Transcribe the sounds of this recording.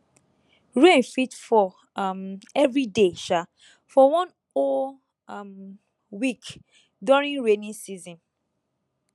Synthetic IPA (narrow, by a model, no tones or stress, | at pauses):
ɹẽnfitfɔ | mɛvɹideʃa | fɔwɔ̃n | ɔ | m | wik | dɔɹĩŋɹenĩnsizɔ̃n